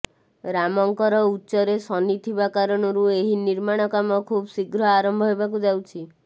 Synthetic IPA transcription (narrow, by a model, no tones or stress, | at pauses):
ɾamɔŋkɔɾɔutːʃɔɾesɔnit̪ʰibakaɾɔɽ̃ɔɾueɦiniɾmaɽ̃ɔkamɔkʰubsiɡɾɔaɾɔmbʱɔɦebakud͡ʒawt͡ʃʰi